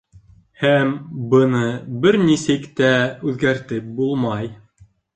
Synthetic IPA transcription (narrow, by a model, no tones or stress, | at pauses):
hæmbɤ̆nɤbɘɾnisɘkt̪æʉðɡæɾt̪ɘp̚bulˠmɑj